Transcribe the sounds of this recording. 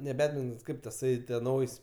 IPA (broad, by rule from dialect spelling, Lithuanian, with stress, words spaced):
nʲɛ ˈbʲæːdʲmʲɪntoːns ˈkɐɪp tɐˈsɐɪ tʲiɛ ˈnɐʊjsʲ